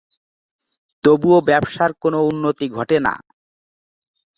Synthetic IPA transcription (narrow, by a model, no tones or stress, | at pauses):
t̪obuobɛbʃaɾkonounːot̪iɡʱɔʈena̰